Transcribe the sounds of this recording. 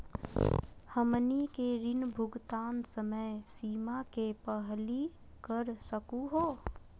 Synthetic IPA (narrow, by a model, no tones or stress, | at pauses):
həmnikeɾɪnbʱʊɡt̪aːnsəməjsiːmakepəɦli | kəɾsəkuɦoː